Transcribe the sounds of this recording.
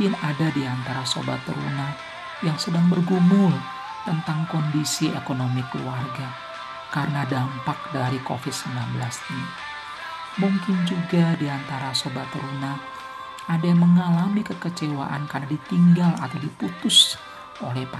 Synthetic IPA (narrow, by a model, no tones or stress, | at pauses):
ɪnadadiant̪aɾaso̰ba̰t̪ə̰ɾṵna | jaŋsədaŋbərɡumʊl | t̪ənt̪aŋkondisiekonomiklṵarɡa | kaɾənadampak̚daɾiko̰fɪd̪̚səmlambəlasɲi | muŋkɪnd͡ʒuɡadiant̪aɾasobat̪əɾuna | ʔadaməŋalamikəkət͡ʃewa̰ʔankarnadit̪iŋɡala̰t̪awdiput̪ʊs | ʔolɛhp